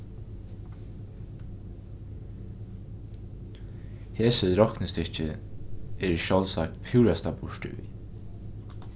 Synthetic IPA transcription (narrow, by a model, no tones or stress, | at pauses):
heːsəɾɔknəst̪ɪt͡ʃɪ | ɛɾʃɔlsak̚t̪pʰuːɾast̪abʊʃʈɪ̰ʋḭː